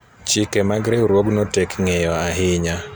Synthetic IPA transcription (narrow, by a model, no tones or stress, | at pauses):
t͡ʃɪkemaɡɾɛɾwoɡnotɛkŋejɔaɦɪɲa